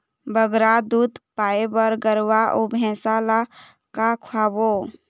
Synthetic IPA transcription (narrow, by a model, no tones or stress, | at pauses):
bəɡɾad̪ud̪paːebəɾɡəɾwaʔobʱɛ̃ːsala | kakʰwaːbo